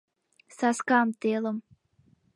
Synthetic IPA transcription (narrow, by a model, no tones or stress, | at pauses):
saskamt̪ilˠɨm